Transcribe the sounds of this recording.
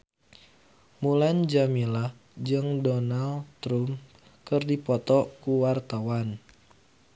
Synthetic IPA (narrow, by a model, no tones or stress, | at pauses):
muland͡ʒamila | d͡ʒɨŋdɔnalt̪ɾum | kɨrdipɔt̪ɔkuwart̪awan